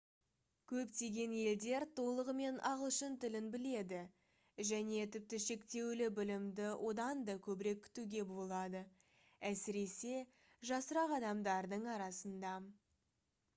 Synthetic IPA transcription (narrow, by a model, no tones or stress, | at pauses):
kʲʰɵpt̪e̞ɡʲe̞nje̞ld̪e̞ɾt̪ʰo̞lˠəʁəme̞nʔɑʁəlˠʃənt̪ɪlɪnbɪle̞d̪ɪ | ʒæne̞t̪ʰɪp̚t̪ɪʃe̞kt̪e̞wlɪbɪlɪmd̪ɪwʔo̞d̪ɑnd̪ɑkʲʰɵbɪɾe̞kʲʰːʏ̥t̪uɡʲe̞bo̞lˠɑd̪ə | æsɪɾe̞se̞ | ʒɑsəɾɑqɑd̪ɑmd̪ɑɾd̪əɴɑɾɑsənd̪ɑ